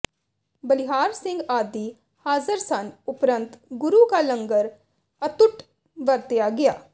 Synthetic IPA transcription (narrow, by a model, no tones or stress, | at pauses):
bəlɪɦaːɾsɪ̃ŋɡaːd̪iː | haːzəɾsənʊpɾə̃nt̪ɡʊɾuːkaləŋɡəɾ | ət̪ʊʈ | ʋəɾt̪ɪjaːɡɪjaː